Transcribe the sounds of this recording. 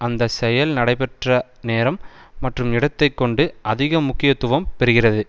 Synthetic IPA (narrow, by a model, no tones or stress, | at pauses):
ɐnd̪ɐsɛjɐlnɐɽɐɪpɛʈrɐ | neːɾɐmːɐʈrɯmɪɽɐt̪ːɐɪkːɔɳɖɯʔɐðɪɣɐmʊkːɪjɐt̪ːʊʋɐmpɛɾɯɣɪrɐðɯ